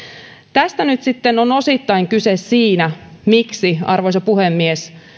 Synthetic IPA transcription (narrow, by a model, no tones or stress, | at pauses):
t̪æst̪ænyt̪sit̪ːenono̞sit̪ːɑjŋkysessiːnæmiksiɑ̰rʋojsɑpuhemːies